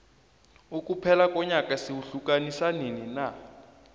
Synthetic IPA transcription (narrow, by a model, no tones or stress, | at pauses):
ukʼupʰɛlakɔɲakʼasiwuɬukʼanisaninina